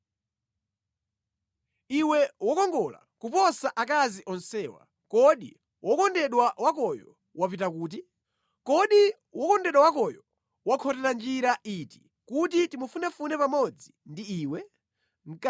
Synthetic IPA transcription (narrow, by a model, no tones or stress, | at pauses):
iwɛwɔkɔŋɡɔla̰kupɔsaʔak̬aziʔɔnsɛːwa̰ | kɔɗḭ | wɔkɔndɛɗwawakɔjɔ | wapitakuːt̬i | kɔɗi | wɔkɔndɛɗwawakɔjɔ | wakʰɔtɛland͡ʒiɾaʔiːti̥ | kutitimufunafunɛpamɔd͡zindiiːwɛ | ŋ̩k